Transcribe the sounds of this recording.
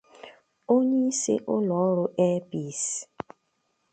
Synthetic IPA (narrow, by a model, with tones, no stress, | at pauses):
o˦ɲe˦i˦sḛ˦ʔʊ˦lɔ˨˦ɾʊ˦ʔe˦pi˦˨s